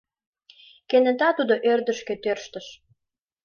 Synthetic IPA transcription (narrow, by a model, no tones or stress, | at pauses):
kenə̆t̪ɑt̪ud̪oʔørd̪ə̆ʃket̪ørʃt̪ə̆ʃ